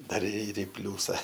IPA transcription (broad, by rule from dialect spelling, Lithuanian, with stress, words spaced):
ˈdɐr ɪr ɪ ˈpʲlʲuːsɐ